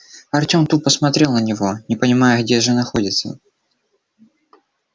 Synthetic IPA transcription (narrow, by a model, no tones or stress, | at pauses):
ɐrtʲo̞mt̪upəsmɐt̪ɾʲe̞lˠnənʲɪvo̞nʲɪpənʲɪmajʊɣdʲeʐɨnɐxo̞dʲɪt̪sə̰